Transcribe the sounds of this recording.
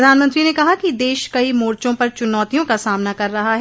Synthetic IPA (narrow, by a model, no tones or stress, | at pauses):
d̪ʱaːnmə̃nt̪ɾinekɐɦakid̪eːʃkɐimoːɾt͡ʃõpɐɾt͡ʃʊnɔːt̪ijõkasaːmnakɐɾːɐɦaɦɛː